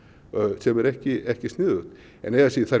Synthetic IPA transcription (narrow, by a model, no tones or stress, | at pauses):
sɛmɛɾɛhcɪɛhcɪst̪nɪːðʏht̪ | ɛ̰nɛɣasiθa